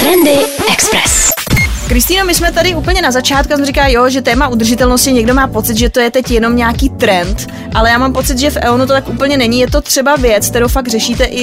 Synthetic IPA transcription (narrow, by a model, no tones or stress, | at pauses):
t̪ɾɛndɪʔɛkspɾɛskɾɪst̪iːno̞mɪsmɛt̪adɪuːpl̩ɲɛnazat͡ʃaːt̪̚kuas̬mɛrikaːjo̞ʒɛt̪ɛːmaʔud̪r̩ʒɪt̪ɛlno̞scɪɲɛɡdo̞maːpo̞t͡sɪt̪ʒɛt̪o̞jɛt̪ɛcjɛno̞mɲɛakiːt̪ɾɛnt̪ | ʔalɛjaːmaːmpo̞t͡sɪt̪ʒɛfʔɛ̰onut̪o̞t̪akʔuːpl̩ɲɛnɛɲijɛt̪o̞t̪r̝̥ɛbavjɛt͡sk̚t̪ɛɾowfaɡ̚rɛʃiːt̪ɛʔɪ